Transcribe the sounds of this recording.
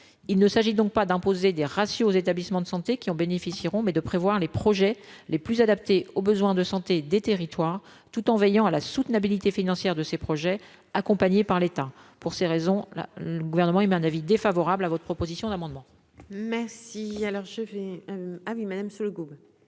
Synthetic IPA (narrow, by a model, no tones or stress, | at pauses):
ilnəsaʒid̪ɔ̃k̚pad̪ɛ̃pozed̪eʁasjoːzet̪ablismɑ̃d̪əsɑ̃t̪ekʲiɑ̃benefisiʁɔ̃mɛd̪əpχevwaʁlepχɔʒɛleplyzad̪ap̚t̪eobəzwɛ̃d̪əsɑ̃t̪ed̪et̪eʁit̪waʁ | t̪ut̪ɑ̃vɛjɑ̃alasut̪nabilit̪efinɑ̃sjɛʁd̪əsepχɔʒɛ | akɔ̃paɲepaʁlet̪apuʁseʁezɔ̃la̰ləɡuvɛʁnəmɑ̃imɛɛ̃navid̪efavɔʁablavɔt̪χəpχɔpozisjɔ̃d̪amɑ̃d̪mɑ̃ | mɛʁsialɔʁʒəvɛawimad̪amsuləɡub